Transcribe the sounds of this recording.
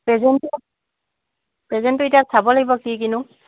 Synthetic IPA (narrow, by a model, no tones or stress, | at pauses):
pɹɛzɛntu | pɹɛzɛntʊitiasabɔlaɡibɔkik̬inʊ